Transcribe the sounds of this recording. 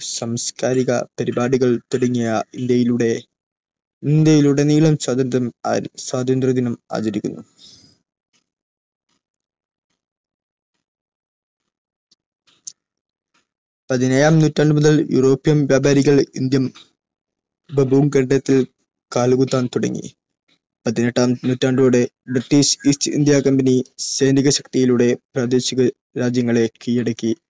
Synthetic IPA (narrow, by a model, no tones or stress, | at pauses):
sɐmskaːɾiɣɐ̰pɐɾibaːɽuɣɐɭt̪uɽɐɲːijɐind̪jɐjiluɽe̞ | ind̪jɐjiluɽe̞niːɭɐmswaːd̪ɐnmswaːd̪ʱɐnd̪rɐd̪inɐma̰ːt͡ɕɐɾikʲːṵnːu | pɐðinɐːjaːmnutːaːɳɖɨmuðɐljṵro̞ːpːijɐmʋjaːbaːɾiɣɐɭḭnd̪jɐm | bɐbuːŋkɐɳɖɐjɐt̪ːil | kaːlɣut̪ːaːnt̪uɽɐ̰ŋːḭ | pɐðineʈːaːmnutːaːɳɖɨuɽe̞ | briʈːiɕistḭnd̪jaːkɐmbɐniseːniɣɐɕɐkt̪ijiluɽe̞praːd̪e̞ːɕiɣɐ | ɾaːd͡ʑjɐŋːɐɭe̞kijɐɽɐkʲːi